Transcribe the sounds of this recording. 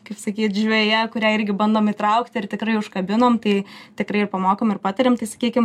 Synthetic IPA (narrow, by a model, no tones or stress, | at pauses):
kɐɪpsɐkʲiːt̪ʒʲʋʲɛːjɛkʊɾʲæːɪɾʲɡʲɪbɐnd̪oːmit̪ɾɐʊkt̪ʲɪrt̪ʲɪkɾɐɪʊʃkɐbʲɪnoːmt̪ɐɪt̪ʲɪkɾɐɪɪrpɐmoːkoːmɪrpɑːt̪ɐɾʲemt̪ɐɪsɐ̥kʲiːkʲɪm